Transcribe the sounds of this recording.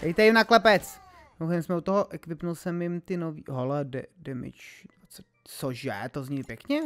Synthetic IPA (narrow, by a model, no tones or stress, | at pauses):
dɛjt̪ɛjɪmnaklɛpɛt͡s | owxɛmsmɛut̪oɦoʔɛkvɪpnulsɛmjɪmt̪ɪnovḭːɦoladɛdɛmɪ̰t͡ʃ | t͡so | t͡soʒɛt̪ozɲipjɛkɲɛ